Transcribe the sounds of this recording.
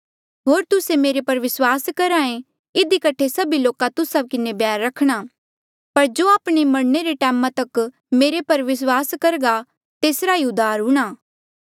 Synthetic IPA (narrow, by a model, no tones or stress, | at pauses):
ɦoːɾt̪ʊsemeːɾepɐɾʋɪswaːskɐɾãːẽ | ɪd̪ikɐʈʰesɐbiloːkat̪ʊsakɪnebjaːɾːɐkʰɽ̃a | pɐɾd͡ʒoːaːpɽ̃emɐɽneɾeʈɛːmãt̪ɐk | meːɾepɐɾʋɪs̬waːskɐɾɡa | t̪eːsɾaɦiʊd̪ʱaːɾɦʊ̃ɽ̃aː